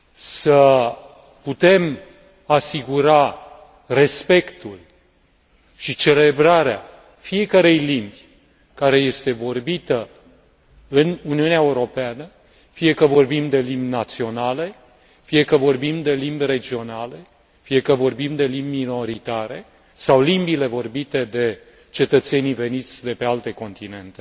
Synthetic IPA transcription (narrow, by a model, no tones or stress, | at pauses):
sə | put̪e̞m | asiɡuɾa | re̞spe̞kt̪ul | ʃit͡ʃe̞le̞bɾaɾea | fije̞kəɾe̞jlimbʲ | kaɾe̞je̞st̪e̞vo̞rbit̪ə | ɨnuniuneaeuɾo̞peanə | fije̞kəvo̞rbimd̪e̞limbʲnat̪sio̞nale̞ | fije̞kəvo̞rbimd̪e̞limbʲre̞d͡ʒio̞nale̞ | fije̞kəvo̞rbimd̪e̞limbʲino̞ɾit̪aɾe̞ | sawlimbile̞vo̞rbit̪e̞d̪e̞ | t͡ʃe̞t̪ət̪se̞nive̞nit̪sʲd̪e̞pe̞alt̪e̞ko̞nt̪ine̞nt̪e